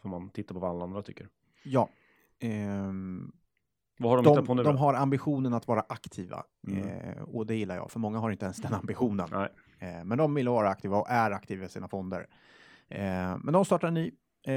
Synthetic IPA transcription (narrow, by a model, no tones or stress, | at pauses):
fœɾmant̪ʰɪt̪ːaɾpʰɔvaalːaand̪ɾat̪ʰʏkːəɾ | jɑː | vahaɖɔmd̪ɔɛpʰːɔnʉd̪ɔmɦaɾambɪɧuːnənat̪vɑːɾaʔakt̪ʰiːva̰ | ɔd̪ɛjɪlːaɾjɑ̰ːfœɾmɔŋːaɦaɾɪnt̪əɛnsd̪ɛnambɪɧuːnə̰nɛ | mɛnd̪ɔmvɪlːəvɑːɾaak̚t̪ʰiːvaɔʔæɾak̚t̪ʰiːvaɛsiːnafɔnd̪ə̰ɾ | mɛnd̪ɔmst̪ɑːʈanyː